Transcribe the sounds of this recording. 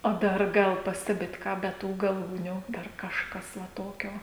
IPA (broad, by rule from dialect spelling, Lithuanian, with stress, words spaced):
oː ˈdɐr ˈɡɐlˠ ˈpɑːsʲtʲɛbʲɪt ˈkɑː bʲɛ ˈtuː ɡɐˈlˠuːnʲuː ˈdɐr kɐʃˈkɐs ʋɐ ˈtoːkʲoː